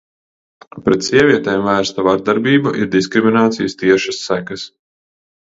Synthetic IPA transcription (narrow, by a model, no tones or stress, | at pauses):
pɾɛt̪siɛvʲiɛt̪ɛːmvæːɾst̪avaɾd̪aɾbʲiːbaʔiɾd̪iskɾiminaːt̪sḭjəst̪iɛʃɐsːækɐs